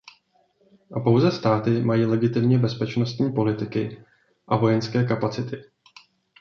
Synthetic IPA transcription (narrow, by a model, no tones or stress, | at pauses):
ʔapo̞wzɛst̪aːt̪ɪmajiːlɛɡɪt̪ɪmɲɛbɛspɛt͡ʃno̞st̪ɲiːpo̞lɪt̪ɪkɪ | ʔavo̞jɛnskɛːkapat͡sɪt̪ɪ